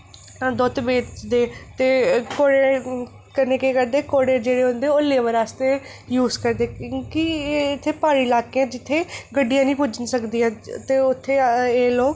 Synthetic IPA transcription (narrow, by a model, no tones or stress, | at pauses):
d̪oːt̪beːt͡ʃd̪eːt̪eːkoːɽe | kəɾneːkeːkəɾd̪eːkoːɽeːd͡ʒeːɽeːɦʊ̃nd̪eːoleʋəɾaːst̪eː | juːzkəɾd̪ẽːkiɪt̪ʰːeːpaːɾiːlaːkeãːd͡ʒɪt̪ʰːeːɡəɖːijãːnĩːpʊd͡ʒənsəkd̪iːãːt̪eːʊt̪ʰːeːeːloːk